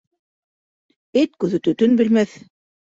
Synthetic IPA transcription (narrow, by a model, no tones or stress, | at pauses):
et̪kʉðɘ̆t̪ɵt̪ɵnbɘ̆lmæθ